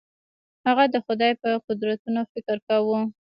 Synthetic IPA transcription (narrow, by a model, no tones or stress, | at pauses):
haɣad̪əxʊd̪ɑjpəqʊd̪ɾat̪unofɪkəɾkawu